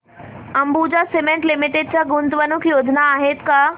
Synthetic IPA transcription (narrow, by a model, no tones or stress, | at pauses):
ɐ̃mbud͡ʑasemẽɳʈlɪmɪʈeɖ̚t͡ɕaɡʊnt̪ʋənũkʰjoːd͡ʑʱənaːɦet̪kaː